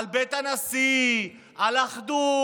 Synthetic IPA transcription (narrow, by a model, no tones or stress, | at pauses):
lbet̪anasi | alaχd̪u